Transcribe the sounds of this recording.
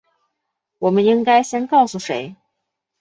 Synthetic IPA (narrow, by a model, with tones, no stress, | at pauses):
wɔ˨˩mə˦ni˥ŋka˥ɪɕjɛ˥nkɑ˥˩ʊsu˨˩ʂe˧˥ɪ